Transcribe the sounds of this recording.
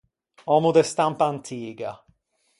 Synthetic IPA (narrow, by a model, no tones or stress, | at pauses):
ɔmud̪ɛst̪ampaːnt̪ʰiːɡa̰